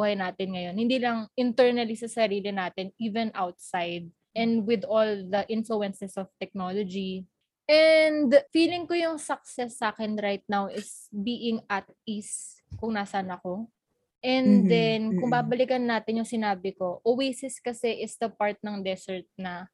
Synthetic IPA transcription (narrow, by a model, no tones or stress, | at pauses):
uhɐjnaːt̪ɪnŋɐjo̞nhɪ̃nd̪iːlɐŋɪnt̪ɛɹnɐlisɐsɐɾiːlɪnaːt̪ɪniːvɛnʔawt̪̚sajd̪̚ | ʔɛ̃nd̪wɪd̪old̪ɐʔɪnfluɛnsɛsɔft̪ɛk̚noːlod͡ʒi | ʔɛnd̪fiːlɪŋkojʊŋsɐk̚sɛsːaːkɛnɾajt̪̚nawʔɪs | biːʔɪŋɐt̪̚is | kʊŋnaːsɐnɐko̞ | ʔɛnd̪ɛnkʊŋbaːbɐlɪkɐnːaːt̪ɪnjʊŋsɪnaːbɪko̞ʔowejsɪskɐsɛʔɪsd̪ɐpaɹt̪̚nɐŋd̪ɛsɛɹt̪̚nɐ